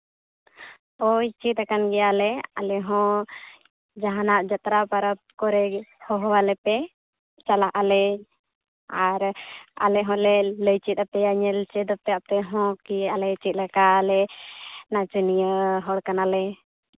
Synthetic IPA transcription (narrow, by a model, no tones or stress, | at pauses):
ɔit͡ʃit̪akanɡɛjalɛa̰lɛɦɔ̃ | d͡ʒaɦanaʔd͡ʒat̪ɾapaɾəp̚kɔɾɛhɔɦɔwalɛpɛ | t͡ʃalaɦʔalɛ | aɾa̰lɛɦɔ̃lɛləjt͡ʃit̪̚ap̚t̪ɛjaɲɛlt͡ʃɛd̪əp̚t̪ɛap̚t̪ɛɦɔ̃kialɛit͡ʃit̪̚lakalɛnat͡ʃənijəɦɔɽkanalɛ